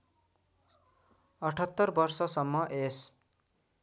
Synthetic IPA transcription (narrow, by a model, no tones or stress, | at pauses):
ʌʈʰʌt̪ːʌrbʌrsʌsʌmːʌʔes